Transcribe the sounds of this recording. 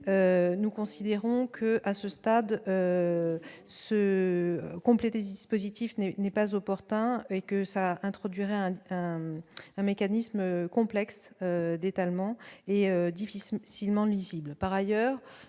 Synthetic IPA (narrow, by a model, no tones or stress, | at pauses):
ønukɔ̃sid̪eʁɔ̃kʰəʔasəst̪ad̪ø | sə | kɔ̃plet̪esəd̪ispozit̪ifnɛnɛpazɔpɔʁt̪ɛ̃ekəsaɛ̃t̪χɔd̪ɥiʁɛɛ̃ɛ̃ɛ̃mekanismøkɔ̃plɛksød̪et̪almɑ̃eød̪ifisilmɑ̃lɥiziblpaʁajœːʁ